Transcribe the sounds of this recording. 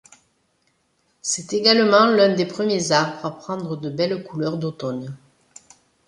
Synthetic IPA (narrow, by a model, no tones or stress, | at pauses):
sɛt̪eɡalmɑ̃lɛ̃d̪epχəmjezaʁbʁʁapχɑ̃d̪ʁəd̪əbɛlkulœʁd̪ot̪ɔn